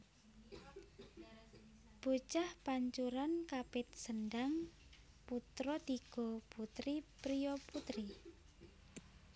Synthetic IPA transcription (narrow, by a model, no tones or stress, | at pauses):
b̥ot͡ʃahpaɲt͡ʃuɾankapɪt̪̚sənɖaŋ | put̪ɾɔd̪iɡ̥ɔput̪ɾipɾiɔput̪ɾi